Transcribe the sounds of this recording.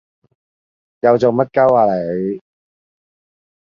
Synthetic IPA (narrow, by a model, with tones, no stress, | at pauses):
jɐ˨˧wt͡so˨wmɐ˥t̚kɐ˥waː˨˧le˨j